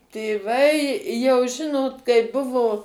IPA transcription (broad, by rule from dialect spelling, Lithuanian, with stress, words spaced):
tʲeːˈʋɐɪ jɛʊ ˈʒʲɪnoːt kɐɪ ˈbʊʋoː